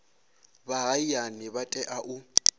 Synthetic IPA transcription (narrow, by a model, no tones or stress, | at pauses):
baɦaijanɪβatʼɛʔaʔu